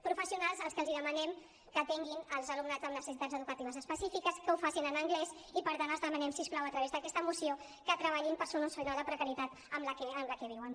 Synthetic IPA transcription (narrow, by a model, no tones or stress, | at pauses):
pɾufəsiunalˠzəlˠskəlˠziðəmənɛm | kət̪ɛŋɡinəlˠzəlumnad͡zəmnəsəsit̪ad͡zəðukət̪iβəzəspəsifikəskəufasinənəŋɡlɛz | ipəɾt̪anəlˠzðəmənɛmsisklɔwət̪ɾəβezðəkɛst̪əmusio | kət̪ɾəβ̞aʎimpəɾsununsfəjnɔlˠd̪əpɾəkəɾit̪at̪ | əmləkɛəmləkɛβ̞iwən